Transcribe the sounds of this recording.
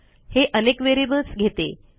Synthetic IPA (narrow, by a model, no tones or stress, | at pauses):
heʔənekʋeɾibəlsɡʱet̪ḛ